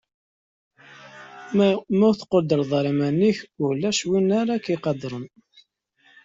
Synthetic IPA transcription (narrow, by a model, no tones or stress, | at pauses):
mæθqːod̪əɾˤðˤɑɾˤimænːiçʊlæʃwinaɾakiqɑd̪ɾˤən